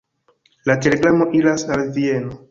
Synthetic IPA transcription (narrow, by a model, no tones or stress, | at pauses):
latele̞ɡɾamo̞ʔilasnalvieno